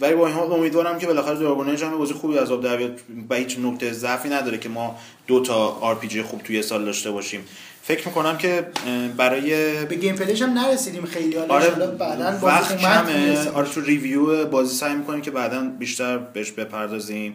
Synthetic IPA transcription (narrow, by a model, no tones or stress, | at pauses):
vælibɒinɦɒomiːd̪vɒːɾæmcʲʰe̞be̞læxæɾed̪oɾboneed͡ʒæmebɒːzijexuːbiæzɒːb̚d̪æɾbijɒd̪̚væhiːt͡ʃnokt̪e̞ezæfiːnæd̪ɒːɾecʰe̞mɒː | d̪̥ot̪ʰɒːɾpʰid͡ʒijxuːb̥̚t̪ʰuje̞sɒːld̪ɒːʃt̪e̞bɒʃiːm | fe̞cʰɾmikʰo̞næmcʰe̞bæɾɒːjebeɡejmpʰeleʃæmnæɾesid̪iːmxejliɒlɒɾelbæd̪ænvæxtuæmeɒɾet̪ʰurivijuebɒːziːsæjmiːkʰo̞nimcʰe̞bæːd̪ænbiːʃt̪æɾbeheʃbe̞pʰæɾd̪ɒːziːm